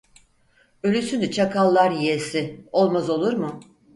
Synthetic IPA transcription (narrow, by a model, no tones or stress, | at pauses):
ø̞lʲysynd̪ɛt͡ʃʰakʰalˠːaɾjijesɪo̞lˠmazo̞lˠuɾmʊ